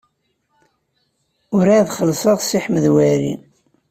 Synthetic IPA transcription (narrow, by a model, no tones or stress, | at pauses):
ʊɾaðχəlsˤəʁsiħməðwæɾḭn